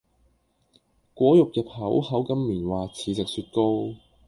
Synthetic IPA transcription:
kʷɔː˨˥jʊ˨k̚jɐ˨˧phɐ˨˥whɐ˨˥wkɐ˥mːiː˨˩nwaː˨t͡sʰiː˨˥t͡sɪ˨k̚syː˧t̚ko˥w

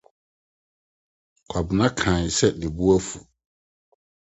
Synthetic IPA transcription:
kʷʰa˨bɪ˨nã˦kʰãː˨ɲ˨sɛ˦le˨bu˦æ˦fu˨

